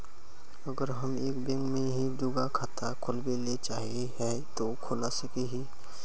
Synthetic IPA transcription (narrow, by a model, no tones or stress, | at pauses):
əɡəɾɦəmeːkbɛ̃ŋkmẽɦid̪ʊɡakʰaːt̪ʰakʰolbelet͡ʃaːɦieɦɛ | t̪okʰolasəkeɦi